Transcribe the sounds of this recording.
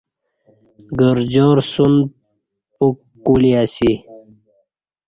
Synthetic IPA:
ɡəɾd͡ʑoːɾsund̪̚ | ukː | uliasi

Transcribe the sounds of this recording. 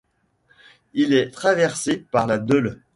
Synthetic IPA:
ilɛt̪χavɛʁsepaʁlad̪œl

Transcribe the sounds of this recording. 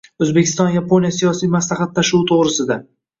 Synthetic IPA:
ɵzbekʲʰɪst̪ɒnjapʰo̞nijasijɒsijmaslˠɑχɑt̪ʰːaʃuwt̪ʰoʁɾɪsɪd̪a

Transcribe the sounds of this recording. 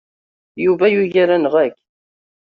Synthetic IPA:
juvæjuʝaɾænəʁækː

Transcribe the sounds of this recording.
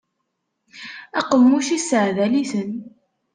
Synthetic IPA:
ɑqəmːuʃisəʕðæliθən

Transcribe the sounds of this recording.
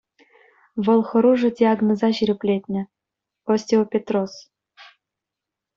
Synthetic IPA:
βɤ̆lˠxɤ̆ɾuʐɤ̆d̪ʲiɑɡnŏzɑɕiɾʲɘplʲet̪ʲnʲɘ̆ | osʲt̪ʲiopʲet̪ros

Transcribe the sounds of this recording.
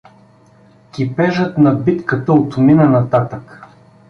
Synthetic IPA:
kʲipɛʒət̪nɐbit̪kət̪əot̪ʊminɐnɐt̪at̪ək

